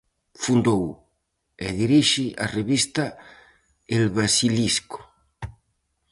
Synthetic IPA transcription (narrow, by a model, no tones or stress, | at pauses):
fund̪ow | ḛðiɾiʃiʔa̰reβist̪a | elβɾasilisko̥